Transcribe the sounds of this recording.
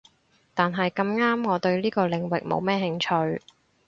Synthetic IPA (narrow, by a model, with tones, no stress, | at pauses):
t̪aː˨nɦɐ˨jkɐ˧mŋaː˥mŋɔː˨˧t̪ɵ˧ɥliː˥kɔː˧lɪ˨˩ŋwɪ˨k̚mo̰˨˧wmɛː˥ɦɪ˧ŋt͡ʃʰɵ˧ɥ